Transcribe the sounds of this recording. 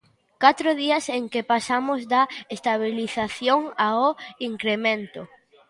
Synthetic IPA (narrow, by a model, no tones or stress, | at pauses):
kat̪ɾʊðiɐseŋkepasamʊzðɐest̪aβ̞iliθaθjoŋaoiŋkɾemẽnt̪ʊ